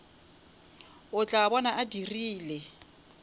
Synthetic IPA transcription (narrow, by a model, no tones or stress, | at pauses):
ʊt͡ɬʼaːbɔnaʔadiriːlɛ